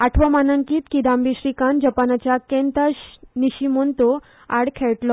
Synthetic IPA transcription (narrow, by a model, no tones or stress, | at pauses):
aʈʰʋəmanəŋkiːt̪kid̪ambiɕɾikand͡ʑəpanat͡ɕjakẽnt̪əɕniɕimont̪o | a̰ɽkʰeɭʈlɔ